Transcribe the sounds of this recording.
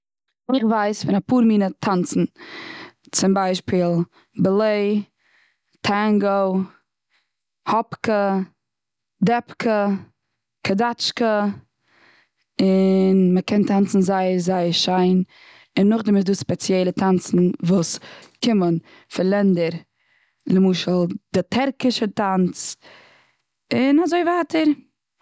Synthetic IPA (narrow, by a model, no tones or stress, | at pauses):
ɪχvaɪsfɪnapuːɾmiːnətʰant͡sn̩ | t͡sɪmbaɪʃpiːlˠ | bəlˠeɪ | tʰaŋɡo | hɔpkə | dɛpkʰə | kʰədat͡ʃkə | ɪnməkʰɛntʰant͡sn̩zaɪəɾzaɪəʃaɪn | ɪnːʊχdɪmɪzduːspɛt͡sjɛlˠətʰant͡sn̩vuːskʰɪmən | fɪlˠɛndəɾ | ləmuːʃəl̩ˠd̥ɪtʰɛɾkɪʃətant͡s | ɪnazoɪvaːtəɾ